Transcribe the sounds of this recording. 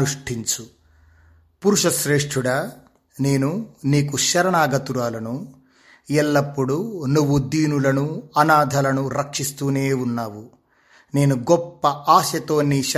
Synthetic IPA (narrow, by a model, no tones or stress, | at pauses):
uʂʈʰiɲt͡ʃu | puɾuʂɐʃɾeːʂʈʰuɽɐ | ne̞ːnuniːkuʃɐɾɐɳaːɡɐt̪uɾaːlɐnu | ɛlːɐpːuɽunuʋːud̪iːnulɐnuɐnaːd̪ʱɐlɐnuɾɐkʂist̪uːneːunːaːʋu | ne̞ːnuɡɔpːɐʔaːʃɐt̪o̞ːnːiʃ